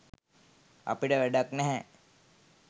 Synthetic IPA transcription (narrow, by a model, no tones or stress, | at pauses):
a̰piʈəʋæɖaknɛɦɛ̃